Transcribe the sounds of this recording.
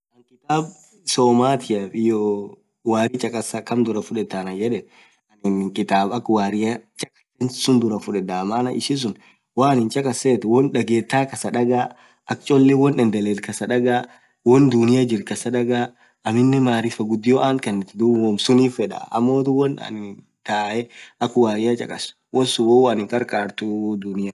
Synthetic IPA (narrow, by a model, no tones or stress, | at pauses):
ʔɐŋkʼɪt̪aːb | soːmaːt̪ʰɪjɐfɪjoː | waːɾɪt͡ʃʼɐkʼɐsɐkɐmd̪ʊɾɐfʊᶑɛt̪ːanɐjɛᶑɛn | ɐnɪnŋkʼɪt̪aːbɐkwaːɾɪɐt͡ʃʼɐ̥kʼɐ̥sɛnsʊnd̪ʊɾɐfʊᶑɛd̪aːmaːnɐʔɪsɪs̬ʊn | waːnɪnt͡ʃʼɐkʼɐseːt̪wɔnᶑɐɡeːt̪ːaːkɐsɐᶑɐɡaː | ʔɐkt͡ʃʼɔlːɛwɔnɛnd̪ɛlɛt̪kɐsɐᶑɐɡaː | wɔnd̪ʊnɪjad͡ʒɪɾkɐsɐᶑɐɡaː | ʔɐmɪnːɛmaːɾɪfɐɡʊd̪ːɪjoʔaːŋkɐnːɛt̪ɪd̪ʊwɔmsʊniːfɛᶑa̰ɐ̰mːoːt̪ʊwɔnɐ̰nɪ | t̪aːʔɛʔɐkʊwaːɾɪjat͡ʃʼɐ̰kʼɐs | wɔnsʊwɔwːnɪŋkʼɐɾkʼaːɾt̪ʊd̪ʊnɪja